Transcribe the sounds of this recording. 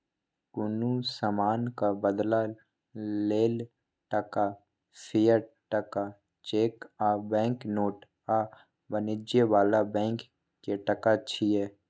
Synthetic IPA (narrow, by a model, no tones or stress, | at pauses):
kʊnusamaːnkabəd̪la | leːl | ʈəka | sʰɪjəɾ | ʈəka | t͡ʃeːkabɛ̃ːŋknoːʈ | a | bənɪd͡ʒjeʋaːlabɛ̃ːŋkː | eʈɐkat͡ʃʰiɛː